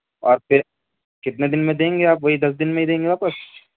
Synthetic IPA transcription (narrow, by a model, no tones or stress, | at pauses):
ɔ̰ːɾpʰɪɾ | kɪt̪ned̪ɪnmẽd̪ẽːŋɡeaːpʋɐɦid̪ɐs̬d̪ɪnmẽɦid̪ẽːŋɡebaːpəs